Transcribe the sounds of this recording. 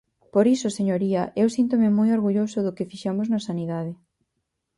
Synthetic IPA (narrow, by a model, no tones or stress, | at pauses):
poɾisʊseɲoɾiɐʔewsint̪omɪmojoɾɣuʎosʊðʊkɪfiʃamʊznɐsaniðaðɪ